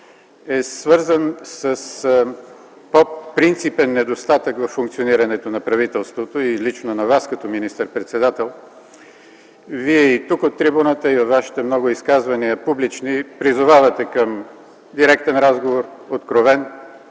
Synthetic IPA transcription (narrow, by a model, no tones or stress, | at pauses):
ɛsvɤɾzənsəs | popɾint̪sipɛnːɛd̪ost̪at̪əkvɐfːuŋkt̪sioniɾɐnɛt̪onɐpɾɐvit̪ɛlˠst̪vot̪oilit͡ʃnonɐvaskɐt̪ɔminist̪əɾpɾɛt̪sɛd̪at̪ɛlˠ | viɛit̪ukot̪ːɾibunət̪əivot̪vaʃi̥t̪ɛmnɔɡʊiskazvɐniəpublit͡ʃnipɾizʊvavɐt̪ɛkəm | d̪iɾɛkt̪ɛnɾazɡovoɾot̪kɾovɛn